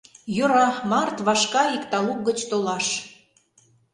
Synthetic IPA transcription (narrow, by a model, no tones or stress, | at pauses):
jøɾɑmɑrt̪βɑʃkɑikt̪ɑluk̚ɡət͡ɕt̪olɑʃ